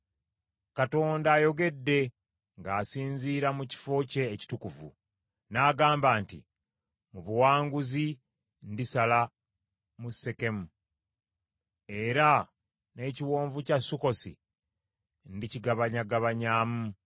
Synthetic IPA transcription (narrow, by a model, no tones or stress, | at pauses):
kato̞ːndaːjo̞ɡe̞dːe̞ | ŋɡaːsiːnziːɾamuci̥fo̞ce̞ːci̥tukuvṵ | naːɡaːmbaːntḭ | muβuwaːŋɡuzi | ndisala | musːe̞ke̞mu | e̞ɾa | ne̞ːciwo̞ːɱvucasuko̞sḭ | ndiciɡaβaɲaɡaβaɲaːmu